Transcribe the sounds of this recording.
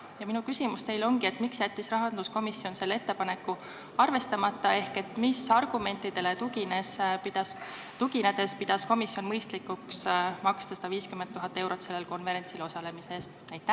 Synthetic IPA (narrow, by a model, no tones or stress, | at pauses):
jɑminukysimust̪e̞jlo̞ŋɡ̥ie̞t̪ːˑmiksjæt̪ʲːisrɑɦɑnd̪usko̞misjo̞nse̞lːee̞t̪ːe̞pɑne̞kːˑu | ɑrve̞st̪ɑmɑt̪ːˑɑe̞hke̞t̪ːˑmisɑrɡ̥ume̞nʲt̪ːˑid̪̥e̞le̞t̪uɡinesid̪ | t̪uɡined̪e̞spid̪̥ɑsko̞misːjo̞nmɤjst̪likuksmɑkst̪ɑsɑ̥d̪ɑviːskymen̚ːuɦɑt̪ːˑe̞wɾo̞t̪se̞lːelko̞nve̞ɾe̞nʲsilo̞sɑle̞miseːst̪æjt̪ːæ